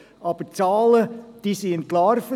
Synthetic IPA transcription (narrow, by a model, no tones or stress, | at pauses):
ɑb̥ət͡sɑːləd̥isiənklɑːɾf